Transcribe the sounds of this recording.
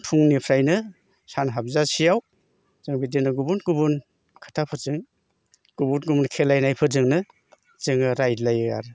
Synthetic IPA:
tʰuŋnipʰɾajnɯ | sanɦab̚zasijaw | z̥ɯŋbidenɯɡubunɡubun | kʰḁtʰapʰɯzɯŋ | ɡ̥ubunɡubunkʰelajnajpʰɯzɯŋnɯ | z̥ɯŋɯɾajlajɯa̰ɾ

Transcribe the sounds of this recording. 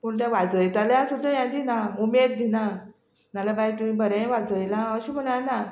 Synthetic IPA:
puɳʈ̪jaʋad͡zəjt̪aljasud̪ʱːajãd̪inaumed̪̚ːina | nalabait̪umĩbəɾẽʋad͡zəjlaəɕiːm̤əɳaɾna

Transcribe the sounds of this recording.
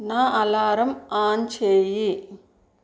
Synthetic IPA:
naːʔɐlaːɾɐmaːnt͡ʃeːji

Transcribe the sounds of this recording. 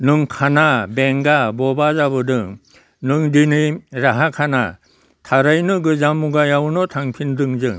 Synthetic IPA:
nɯŋkʰanabeŋɡabɔbazabɯdɯŋ | nɯŋdiniɾaɦakʰana̰ | tʰaɾajnɯɡɯzamuɡajawnɔtʰaŋpʰindɯŋzɯŋ

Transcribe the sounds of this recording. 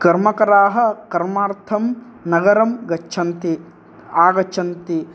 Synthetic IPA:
kɐɾmɐkɐɾaːɦɐ̆kɐɾmaːɾt̪ʰɐm | nɐɡɐɾɐmɡɐt͡ʃːt͡ʃʰɐnt̪i | aːɡɐt͡ʃːt͡ʃʰɐnt̪i

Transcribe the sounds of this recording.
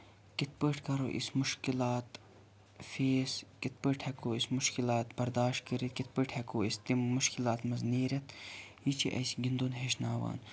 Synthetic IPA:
kit̪̚pəʈʰkɐɾo̰ʔḭsmʊʃkilaːt̪ | feːskit̪̚pəʈʰhɐkoːismʊʃkilaːt̪bɐɾd̪aːʃt̪̚kəɾit̪̚kit̪̚pəʈʰhɐkoːist̪imːʊʃkilaːt̪mɐzniːɾɐt̪jit͡ʃʰḭʔɐ̰jsiɡind̪onɦeːʃnaːʋa̰ːn

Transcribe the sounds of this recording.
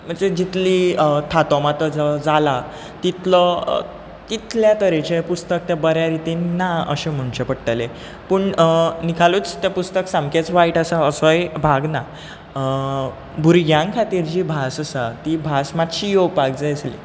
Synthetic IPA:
m̤əɳd͡zed͡ʑit̪lit̪ʰat̪ɔmat̪əd͡zd͡zala | t̪it̪lə̰ | t̪it̪ljat̪əɾet͡ɕepust̪ək̚t̪jabəɾjaɾit̪inːaə̰ɕem̤uɳt͡ɕepəɽʈ̪ale | puːɳnikʰaluːt͡st̪japust̪əksãmket͡sʋaiʈəsaəsɔjbʱaɡna | bʱuɾɡjãŋkʰat̪iːɾd͡ʑiːbʱasəsat̪ibʱasmat̪ɕiːjowpaɡ̚d͡zajəslḭ

